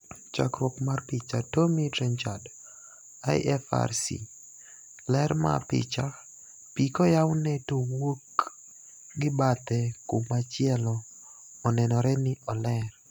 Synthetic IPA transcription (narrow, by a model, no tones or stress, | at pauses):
t͡ʃa̰kɾwɔkmarpit͡ʃatomitɾɛnt͡ʃad | a̰jʔɛfa̰rsḭ | lɛɾma̰pɪ̰t͡ʃa | pikɔjawnetowok | ɡɪbat̪ɛkomat͡ʃɪɛlɔː | nɛnɔɾɛnɪʔɔlɛr